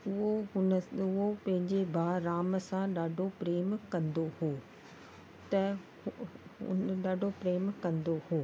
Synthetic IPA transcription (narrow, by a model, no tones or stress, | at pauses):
ʊɦonʊɦopɐ̃ɦɪ̃ɲd͡ʑebʱaːɾaːmsãɗaːɖʱopɾeːmkɐ̃nd̪ohoː | t̪ɐ | ʊ̰nɗaːɖʱopɾeːmkɐ̃nd̪ohoː